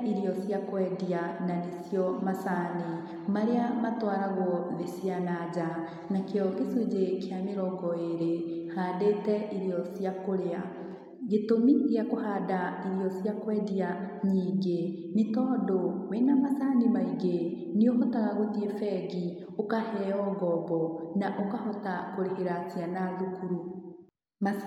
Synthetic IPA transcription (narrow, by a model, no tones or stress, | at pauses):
iɾiɔsjakwɛːdiananesjɔmasane | maɾeamatwaːɾaɣɔðesjanad͡ʒa | nakeɔɡesud͡ʑekeameɾɔɡɔeɾehadetɛʔiɾjɔsjakoɾea | ɣetomiɣeakohadaiɾijɔsjakwɛdia | ɲiːɡe | netɔːdowenamasanimaiɡe | nioɦotaɣaɣotiefɛɡi | okahɛɔɡɔbɔnaʔokahɔtakoɾeɦeɾat͡sianaðukuɾu | ma